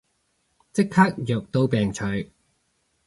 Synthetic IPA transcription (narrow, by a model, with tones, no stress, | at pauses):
t͡sɪ˥kʰhaː˥k̚jœː˨k̚t̪o˥wpɛː˨˩ŋt͡ʃʰɵ˨˧˩ɥ